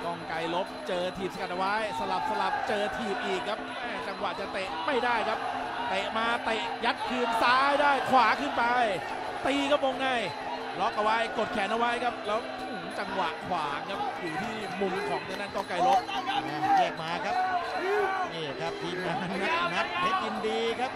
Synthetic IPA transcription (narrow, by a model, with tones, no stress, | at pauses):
t̪ɔ˥˩ŋka˧jlo˦˥p̚t͡ɕɤː˧t̪ʰiː˨˩p̚sa˧ka˨˩t̪̚a˨˧wa˦˥jsa˧la˨˩p̚sa˧la˨˩p̚t͡ɕɤː˧t̪ʰiː˨˩p̚ʔiː˨˩kʰːa˦˥p̚mɛː˧˥˩t͡ɕa˧ŋwa˨˩ʔt͡ɕa˨˩t̪e˨˩ʔma˥˩jdaː˥˩jkʰa˦˥p̚ | t̪e˨˩ʔmaː˧t̪e˨˩ʔja˦˥t̪̚kʰɯː˧nsaː˦˥jdaː˥˩jkʰwaː˨˦kʰɯː˥˩npa˧j | t̪iː˧kʰa˦˥p̚ʔo˧ŋːa˧˥˩j | lɔ˦˥k̚ʔa˧wa˦˥jko˨˩t̪̚kʰɛː˩˦nʔa˧wa˦˥jkʰa˦˥p̚lɛː˦˥wt̪ʰuː˨˩˦t͡ɕa˧ŋwa˨˩ʔkʰwaː˩˦ŋkʰa˦˥p̚juː˨˩t̪ʰiː˥˩ | mu˧˩nkʰɔː˩˦ŋnɯ˧˥na˥˩nt̪k̪ɔ˥˩ŋkla˧˩jlo˦˥p̚ːjɛː˨˩k̚maː˦˥kʰa˦˥p̚ | neː˧˩kʰa˦˥p̚t̪ʰiː˧maː˧˦˥na˦˥e˦˥ʔi˧ndiː˧kʰa˦˥p̚